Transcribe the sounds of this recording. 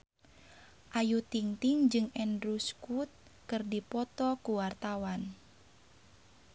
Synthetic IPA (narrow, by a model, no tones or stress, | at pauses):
ʔajut̪iŋt̪iŋd͡ʒɨŋɛndɾuskut̪̚ | kɨrdipɔt̪ɔkuwart̪awan